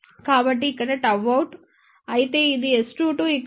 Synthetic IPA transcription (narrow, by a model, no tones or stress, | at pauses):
kaːbɐʈːiːkːɐɽeʈɐʋɐwuʈ | ɐjit̪e̞ːid̪iesʈuːʈuikː